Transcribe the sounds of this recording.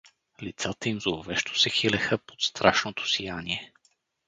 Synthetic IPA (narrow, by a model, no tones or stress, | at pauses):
lit̪sat̪əimzoovɛʃt̪ʰo̥sɛxilɛxəpo̥t̪st̪ɾaʃnot̪o̥sijaniɛ